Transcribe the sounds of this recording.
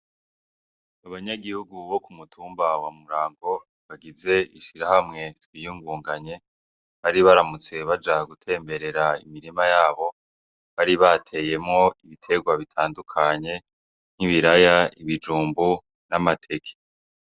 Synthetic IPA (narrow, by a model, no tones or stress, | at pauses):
aβaɲaɡihuɡuβo̞kumutʰuːmbawamuɾaːŋɡo̞ | βaɡize̞iʃiɾahamŋe̞twijuːŋɡuːŋɡaɲe̞ | βaɾiβaɾamut͡se̞βad͡ʒaɡutʰe̞ːmbe̞ɾe̞ɾaḭmiɾimajaːβo̞ | βaɾiβatʰe̞je̞mŋo̞iβitʰe̞ɡwaβitʰaːndukʰaɲe̞ | n̥iβiɾajaiβid͡ʒuːmbu | namatʰe̞kʰe̥